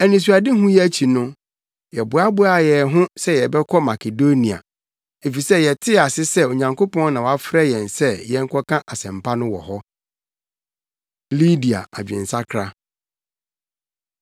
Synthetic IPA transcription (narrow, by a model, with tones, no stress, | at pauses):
æ˨nĩ˨s̬u˨a˨dɪ˦ɦʊ̃˦jɛ˦t͡ɕʰi˨nʊ̃˦ | jɛ˨bʊ˨a˦bʊ˦a˨jɛ˨ɦʊ̃˦sɛ˦jɛ˨bɛ˦kʰɔ˦ma˨kʰe˨do˦nĩ˨a̰˨ | e˨fi˨sɛ˦jɛ˨tʰɪ˦a˨sɪ˦sɛ˦o˨ɲã˨ŋkʰo˦pʰɔ̃˦nã˨wa˦fɾɛ˦jɛ̃˨nsɛ˦jɛ˦ŋ̩˦kʰɔ˦kʰã˦ʔa˨sɛ̃˨mpʰa˦nʊ̃˦wɔ̰˨hɔ˦ | li˦di˨a̰˨a̰˨d͡ʑᶣɛ̰̃˨n˨sa˦kʰɾa˦